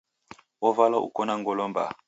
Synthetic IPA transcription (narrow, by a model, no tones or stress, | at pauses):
ɔvalɔʔṵkɔnaŋɡɔlɔmba̰